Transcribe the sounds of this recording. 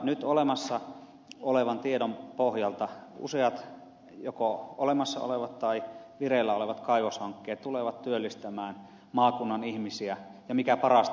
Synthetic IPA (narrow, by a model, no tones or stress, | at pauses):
nyt̪olemɑsːɑ | oleʋɑnt̪iedompohjɑlt̪ɑṵseɑt̪ | jokoolemɑsːɑ̰o̰leʋɑt̪t̪ɑiʋirelːæoleʋɑt̪kɑiʋoshɑŋkːeːt̪t̪uleʋɑt̪t̪yølːist̪æmæːn | mɑːkunːɑnihmisiæjɑmikæpɑrɑst̪